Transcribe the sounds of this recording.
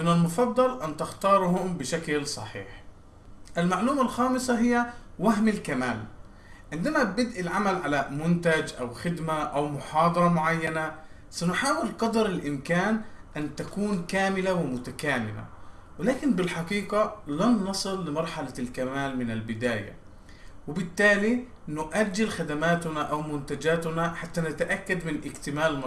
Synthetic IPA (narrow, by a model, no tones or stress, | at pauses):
ʔɪnːalmʊfɑd̪ˤːɑlʔant̪ɪxt̪ɑːɾˤhʊmbɪʃaklsˤɑ̰ħḭːħ | ʔɪlmaʕluːmalxɑːmɪsaɦɪjːawaɦmɪlkamaːl | ʕɪnd̪amabɪd̪ʔilʕamalʕalamʊnt̪ad͡ʒʔawxɪd̪maʔawmʊħɑːd̪ˤɑɾˤɑmʊʕajːana | sanʊħaːwɪlqɑd̪ɑɾɪlʔɪmkaːnʔant̪akuːnkaːmɪlawɪmʊt̪akaːmɪla̰ | wɪlaːkɪnbɪlħɑqiːqalanːɑsˤɨlːɪmɑɾˤħalalkamaːlmɪnalbɪd̪aːja̰ | wɪbɪt̪ːaːli | nʊʔaɾd͡ʒɪlxad̪amaːt̪naʔawmʊnt̪ad͡ʒaːt̪ʊnaħat̪ːanat̪aʔakːad̪mɪnʔɪɡt̪ɪmaːlm